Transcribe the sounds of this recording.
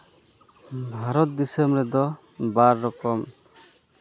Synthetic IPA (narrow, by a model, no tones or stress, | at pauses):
bʱaɾɔt̪̚d̪isəmɾɛd̪ɔ | baɾːɔkɔm